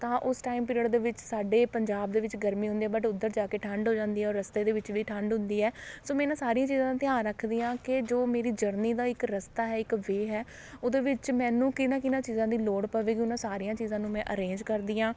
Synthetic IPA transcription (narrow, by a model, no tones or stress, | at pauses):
t̪ãːʔʊsʈaːimpɪɾəɽd̪eːʋɪt͡ʃsaːɖeːpəɲd͡ʒaːb̚d̪eːʋɪt͡ʃɡəɾmĩːɦʊ̃nd̪iːɛːbəʈʊd̪ːəɾd͡ʒaːkeːʈʰəɳɖɦoːd͡ʒãːnd̪iːɦɛːɔːɾːəst̪eːd̪eːʋɪt͡ʃʋiːʈʰəɳɖɦʊ̃nd̪iːɛːsoːmɛ̃ːɪnãːsaːɾiːãːt͡ʃiːzãːt̪ɪãːnɾəkʰd̪iːãːkɪd͡ʒoːmeːɾiːd͡ʒəɾniːd̪aːɪkɾəst̪aːɦɛːɪkʋeːɦɛː | oːd̪eːʋɪt͡ʃmɛ̃ːnũːkɪnãːkɪnãːt͡ʃiːzãːd̪iːloːɽpəʋeːkɪʊnãːsaːɾijãːt͡ʃiːzãːnũːmɛ̃ːʔə̰ɾẽːnd͡ʒkəɾd̪iːãː